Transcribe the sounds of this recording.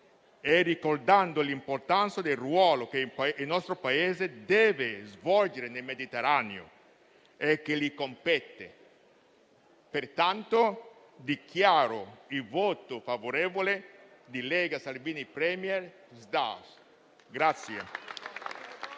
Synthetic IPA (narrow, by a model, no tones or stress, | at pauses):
ɛrikord̪and̪olimport̪ant̪sad̪elrwɔːlokepinɔst̪ɾopaeːzed̪ɛːvezvɔld͡ʒeɾenelmed̪it̪eɾaneo̰ | ekːelikompɛt̪ːḛ | peɾt̪ant̪o | d̪ikʰjaːɾoilvot̪ofavoɾevoled̪ilɛɡasalviːnipɾɛmjɛɾ | zd̪a̰s | ɡɾat̪sːjḛ